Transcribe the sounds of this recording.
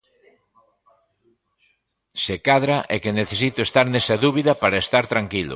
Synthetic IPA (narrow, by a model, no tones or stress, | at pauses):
sekaðɾaʔɛkeneθesit̪ʊest̪aɾnesaðuβiðɐpaɾɐest̪aɾt̪ɾaŋkilʊ̰